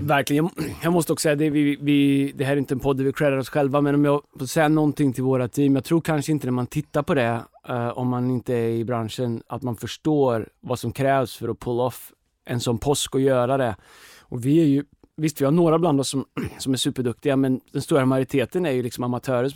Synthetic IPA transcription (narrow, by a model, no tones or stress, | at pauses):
væɾklɪənjjɑːmɔst̪əɔksɔ̥sɛjad̪ɛvɪvɪd̪ɛhæɾɛjɪnt̪əɛnpʰɔd̪ːæɾvɪkʰɾɛɾaɾɔsɧɛlvamɛnɔmjɑfosɛjːanɔnt̪ɪŋːt̪ʰɪlvoːɾat̪ʰiːmjɑːɡ̚t̪ʰɾuːɾkʰanʂəɪnt̪ənæɾmant̪ʰɪt̪ːaɾpʰɔd̪ɛɔ̰mːanɪnt̪əæɾɪbɾanʂəna̰t̪manfœʂʈoːɾvasɔmkʰɾɛːvsfœɾɔpʰɵlːaɔf | ʔɛnsɔnːpʰɔskɔjœːɾad̪ɛ | ɔvɪæɾjɵ | vɪst̪vɪhaɳoːɾabland̪ɔsːɔmsɔmæʂʉ̟ːpəɖɵk̚t̪ɪɡamɛnd̪̥ɛnst̪uːɾamajʊɾɪt̪ʰeːt̪ənæɾjɵlɪksɔmamat̪ʰœːɾə